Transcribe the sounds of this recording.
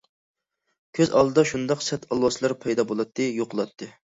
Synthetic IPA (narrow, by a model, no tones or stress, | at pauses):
kʲʰøzɑ̰lˠd̪ɨd̪ɑʃund̪ɑqsɛt̪ʰɑlˠwɑslˠɑɾpʰɑjd̪ɑbolˠɑt̪ʰːɨjoqʰʊlˠɑt̪ʰːɨ